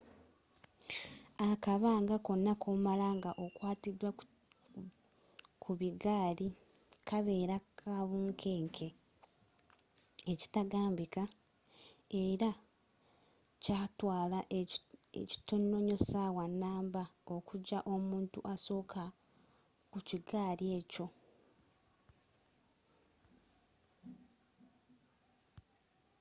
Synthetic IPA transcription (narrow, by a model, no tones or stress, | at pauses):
akaβaːŋɡako̞nːakʰomalaːŋɡaʔo̞kwaːtidwa | kʰuβiɡaːli | kʰaβe̞ːɾakʰaβuːŋkʰeːŋkʰe̞ | eci̥taɡaːmbika | eɾa | caːtwaːlaʔḛci̥tonːo̞ɲo̞sawanːaːmbao̞kuɟaʔo̞muːntuʔaso̞ːkʰa | kuciɡaːɾje̞ːco̞